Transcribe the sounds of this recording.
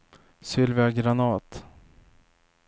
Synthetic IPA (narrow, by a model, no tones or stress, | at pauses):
sʏlvaɡɾanɑːt̪